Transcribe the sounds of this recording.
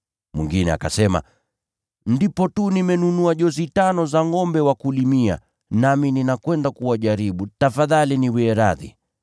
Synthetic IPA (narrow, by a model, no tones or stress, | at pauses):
mwiŋɡinɛa̰ka̰sɛma̰ | ndipɔtunimɛnunuaʄɔzitanɔzaŋɔmbɛwakulimia̰ | namininakwɛndakuwaʄaɾiɓutafaðaliniwɛːɾaðḭ